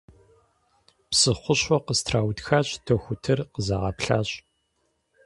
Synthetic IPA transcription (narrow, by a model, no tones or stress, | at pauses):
psɨχʷʊɕɔqəstʰraːwtxaːɕʼtʰɐxʷʊtʰɨrqəzaʁɐpɬa̰ːɕʼ